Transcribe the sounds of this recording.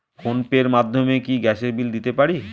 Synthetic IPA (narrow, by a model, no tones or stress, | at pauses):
konpeɾmad̪ʱːomekiɡɛʃeɾbild̪it̪epaɾi